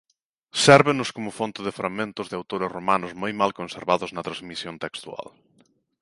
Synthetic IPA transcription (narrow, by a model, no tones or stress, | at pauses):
sɛɾβɪnʊskomʊfont̪ɪðɪfɾaɣmẽnt̪ʊzðɪawt̪oɾɪsromanʊzmojmalkonseɾβaðʊznɐt̪ɾazmisjont̪ekst̪ua̰l